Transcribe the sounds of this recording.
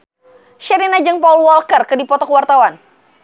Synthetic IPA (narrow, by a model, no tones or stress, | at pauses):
ʃɛɾinad͡ʒɨŋpaulwɔlkərkɨdipɔt̪ɔkəwart̪awan